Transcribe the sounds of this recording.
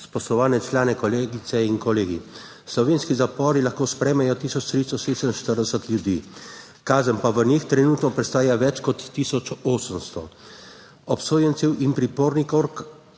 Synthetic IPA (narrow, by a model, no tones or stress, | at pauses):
spɔslɔʋaːnɛt͡ʃlaːnɛkɔleɡit̪sɛinkɔleːɡḭ | slɔʋeːnskizapɔːɾilaxkoːspɾɛːmɛjɔt̪iːsɔt͡ʃt̪ɾist̪ɔsesənʃt̪əɾd̪ɛsət̪ljud̪ḭ | kaːzənpaʋənixt̪ɾɛnuːt̪nɔpɾɛst̪aːjaʋɛt͡ʃkɔt̪ːiːsɔt͡ʃoːsəmst̪ɔ̰ | ɔpsoːjənsiwʔinpɾipoːɾnikoɾk